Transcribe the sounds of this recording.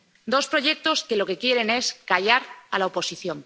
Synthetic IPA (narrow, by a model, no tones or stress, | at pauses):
d̪o̞spɾo̞ʝe̞k̚t̪o̞ske̞lo̞ke̞kje̞ɾe̞ne̞skaʎaɾalaopo̞siθjo̞ŋ